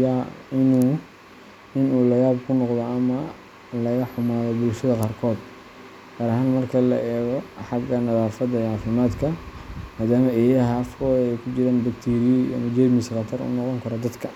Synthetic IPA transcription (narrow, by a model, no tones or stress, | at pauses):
jaːɪnuː | ɪnuːlɐjaːbkʰʊnɔqd̪ɔɐmɐ | lɐɣɐħʊmaːðɔbʊlʃɐðɐqɑːrkʰɔːd̪ | ɡ̥aːɾɐɦaːnmɐrkʰɐlɐ̰ʔɛːɣɔħɑɡɐnɐðaːfɐd̪ɐʕɑːfɪmaːd̪kʰɐmaːd̪aːmɐʔɛːjɐɦɐːfkʰɔːðɛjkʰʊt͡ʃɪɾaːnbɐkt̪ʰiːɾɪjɐ̰mɐd͡ʒɛd̪mɪsqɐt̪ʰɐrʊ̰nɔqɔŋkʰɐɾɔd̪ɐd̪kʰɐ